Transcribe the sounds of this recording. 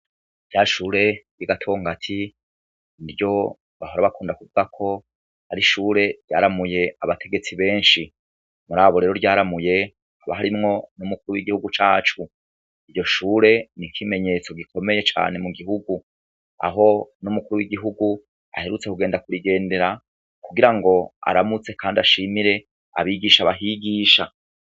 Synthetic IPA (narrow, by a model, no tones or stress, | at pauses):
vjaːʃuːɾe̞jiɡatʰo̞ːŋɡatʰi | iɾjo̞ | βahoɾaβakuːndakuvuɡakʰo̞ | haɾiʃuːɾe̞ɾɟaːɾamuje̞aβatʰe̞ɡe̞t͡siβe̞ːnʃi | muɾaːβo̞ɾe̞ɾoɾɟaːɾamuje̞ | haβaɦaɾimŋo̞numukuɾuwiɡihuɡut͡ʃaːt͡ʃu | iɾɟo̞ʃuːɾe̞nikʰime̞ɲe̞t͡so̞ɡikʰo̞me̞je̞t͡ʃa̰ːne̞muɡiɦuɡu | a̰ɦo̞numukuɾuwiɡiɦuɡu | a̰he̞ɾut͡sekuɡeːndakuɾiɡe̞ːnde̞ɾa | kuɡiɾaŋɡo̞a̰ɾamut͡se̞kʰaːndiaʃimiɾe̞ | a̰βiːɡiːʃaβaɦiɡiːʃa̰